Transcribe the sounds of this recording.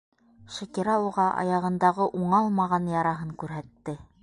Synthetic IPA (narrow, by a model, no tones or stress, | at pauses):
ʃækiɾɑuʁɑʔɑ̰jɑʁɤ̆nd̪ɑʁɤʔuɴɑlˠmɑʁɑnjɑɾɑɦɤŋkʉɾɦæt̪ːɘ